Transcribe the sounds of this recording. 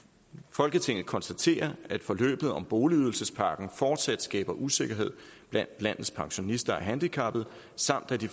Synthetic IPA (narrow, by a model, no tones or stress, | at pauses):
fɒ̽lɡ̥ət͡sʰe̝ŋ̰ð̩ˠkʰɒ̽nsd̥æt͡sʰe̝̰ːɐæd̥fɒ̽lø̰ːb̥ð̞̩ˠɒ̽mb̥o̝ːliyð̞ˠl̩səspʰɑ̈ːɡ̥n̩fɒːd̥sæd̥sɡ̥ɛ̰ːb̥ɐʔuse̝ɡ̥ɐɦe̝ð̰ˠ | b̥læn̰d̥læn̰ð̩ˠspʰɑ̈ŋɕo̝nisd̥ɐæɦænd̥ikʰɑ̈b̥ð̞̩ˠ | sɑ̈m̰d̥æd̥i